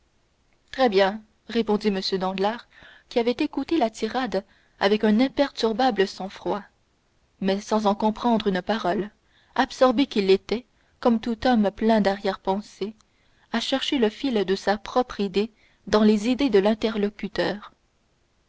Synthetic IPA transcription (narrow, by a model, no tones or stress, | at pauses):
t̪χɛbjɛ̃ | ʁepɔ̃d̪iməsjød̪ɑ̃d̪laʁ | kʲiavɛt̪ekut̪elat̪ʰiʁad̪ | a̰vɛkœ̃nɛ̃pɛʁt̪yʁbabləsɑ̃fχwa | mɛsɑ̃zɑ̃kɔ̃pχɑ̃d̪ʁynpaʁɔl | absɔʁbekʲilet̪ɛ | kɔmt̪ut̪ɔmplɛ̃d̪aʁjɛʁpɑ̃se | aʃɛʁʃeləfild̪əsapχɔpχid̪e | d̪ɑ̃lezid̪ed̪əlɛ̃t̪ɛʁlɔkʲyt̪œːʁ